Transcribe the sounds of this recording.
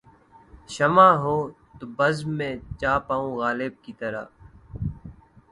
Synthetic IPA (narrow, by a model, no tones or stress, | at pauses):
ʃəmãːɦoː | t̪obəzmẽːt͡ʃaːpaːũːɣaːleb̚kiːt̪əɾa̰ː